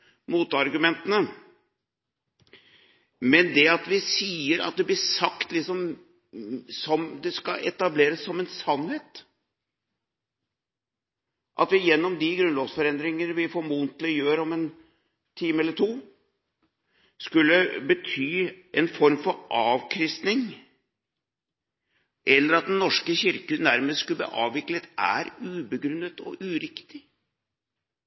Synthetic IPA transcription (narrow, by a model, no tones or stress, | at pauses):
muːt̪ɑɾɡʉmɛnt̪ənə | mɛnd̪ɛɑt̪ʋɪsiːəɾɑ̰t̪̚d̪ɛblɪsɑkt̪lɪksɔm | sɔmd̪ɛskɑʔɛ̰t̪ɑbleːɾəsːɔmɛnsɑnheːt̪ | ʔɑ̰t̪ʋɪjɛnːɔmd̪ɪɡɾʉnlɔʋsfɔɾɛnd̪ɾɪŋənəʋɪfoːɾmunt̪lɪjøːɾɔmɛn | t̪ʰiːməɛlːəʈʰuː | skʉlːəbət̪ʰyːʔɛnfɔɾmfɔɾʔɑːʋkʰɾɪst̪nɪŋ | ʔɛlːəɾɑt̪̚d̪ɛnnːɔʂkəçɪɾkəd̪æɾmeːskʉlb̪ḭːʔɑːʋɪklət̪æ̰ɾʉːbəɡɾʉnət̪ʰɔ̰ʔʉɾɪkt̪ɪ